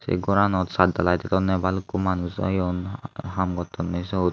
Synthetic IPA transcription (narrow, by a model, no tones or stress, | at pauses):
sḛɡɔɾanɔt̪sad̪alajt̪ɛt̪ɔnɛbalkumanusɔ̰jɔnɦamɡɔt̪ːɔnːɔsɔt